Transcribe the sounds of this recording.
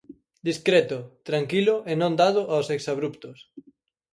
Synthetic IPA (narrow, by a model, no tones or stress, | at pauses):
d̪iskɾɛt̪ʊt̪ɾaŋkilʊʔenõnd̪aðʊʔawseksaβɾupt̪ʊs